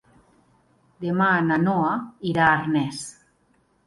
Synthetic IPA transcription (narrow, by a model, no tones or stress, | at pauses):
d̪emananoaiɾaɾnes